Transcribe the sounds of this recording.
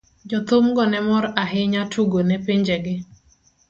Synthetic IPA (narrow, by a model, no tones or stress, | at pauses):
d͡ʒɔt̪ʊmɡɔnɛmɔɾaɦɪɲatʰuɡonɛpiɲd͡ʒeɡɪ